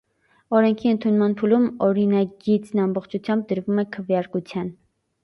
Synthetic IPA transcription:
ɔɾɛŋkʰiənt̪ʰunmɑnpʰulumɔɾinɑɡit͡snɑmbɔχt͡ʃʰut͡sʰjɑmb̚d̪əɾvumɛkʰəvjɑɾkut͡sʰjɑn

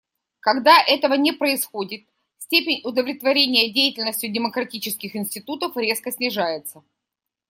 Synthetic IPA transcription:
kɐɡd̪aʔɛt̪əvənʲɪpɾəɪsxodʲɪt̪̚ | sʲtʲepʲɪnʲʊd̪əvlʲɪt̪vɐɾʲenʲɪjədʲejɪtʲɪlʲnəsʲtʲʊdʲɪməkɾɐtʲit͡ɕɪskʲɪxɪnsʲtʲɪt̪ut̪əfɾʲe̞skəsʲnʲɪʐajɪt̪sə

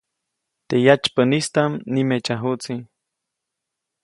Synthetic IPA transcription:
t̪ejat͡ʃpənist̪amnimet͡ʃaɦut͡si

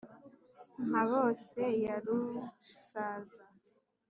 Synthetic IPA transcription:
maβosejaɾusaːza

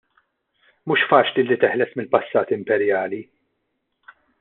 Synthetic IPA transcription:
muːʃfɐːt͡ʃlilːit̪ɪħlɛsmɪlpɐsːɐːt̪ɪmpɛɾjɐːli

